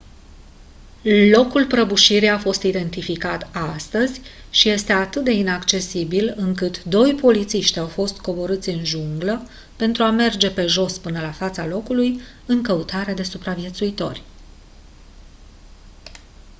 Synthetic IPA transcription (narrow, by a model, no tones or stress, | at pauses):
lo̞kulpɾəbuʃiɾijafo̞st̪id̪e̞nt̪ifikat̪ast̪əzʲʃije̞st̪e̞at̪ɨt̪̚d̪e̞inakt͡ʃe̞sibilɨŋkɨt̪d̪o̞jpo̞lit̪siʃt̪ʲawfo̞st̪ko̞bo̞ɾɨt̪sʲɨnʒuŋɡlə | pe̞nt̪ɾuame̞rd͡ʒe̞pe̞ʒo̞spɨnəlafat̪salo̞kuluj | ɨŋkəut̪aɾe̞d̪e̞supɾavje̞t̪suit̪o̞̰rʲ